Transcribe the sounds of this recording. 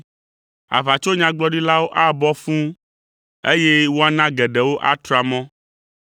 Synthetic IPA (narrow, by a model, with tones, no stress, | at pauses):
a̰˨va˨t͡ʃo˦ɲã˨ɡ͡bɔ˦ɖi˦la˦wo˦ʔa˦bɔ˦fũ˦ | e˦jɛ˦wo˦a˦nã˦ɡɛ˨ɖɛ˨wo˦ʔa̰˦t̪ɾa˨mɔ̃˦